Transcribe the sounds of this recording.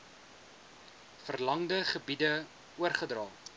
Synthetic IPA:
fərlɐŋdəχəbidə | uərχədrɑː

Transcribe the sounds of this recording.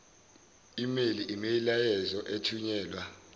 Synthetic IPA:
imeliʔimejilajɛzɔʔetʰuɲɛːlwa

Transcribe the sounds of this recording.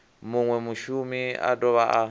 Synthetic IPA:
muŋwɛmuʃumia̰dɔβaʔa

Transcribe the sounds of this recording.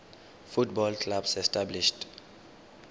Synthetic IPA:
futbɔlkʰʼlabsɛstʼabliʃtʼ

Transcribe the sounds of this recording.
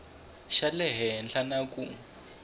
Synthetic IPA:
ʃalɛɦɛnɬanakʼu

